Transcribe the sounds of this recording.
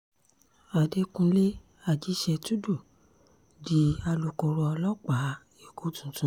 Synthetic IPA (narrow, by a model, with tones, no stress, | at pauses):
a˨de˧kũ˧le˦ | a˨d͡ʒi˨˦ʃɛ˧tu˦du˦˨ | di˦a˧lo˨˧ko˧ɾɔ˧ɔ˧lɔ˦k͡pa˨˦ | e˨ɡo˨˦tũ˨tũ˧˦